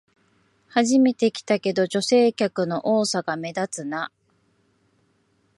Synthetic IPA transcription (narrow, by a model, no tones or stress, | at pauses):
haʑime̞t̪e̞kʲi̥t̪ake̞d̪o̞ʑo̞se̞ːkʲakɯ̟no̞ʔo̞ːsaɡame̞d̪at͡sɨna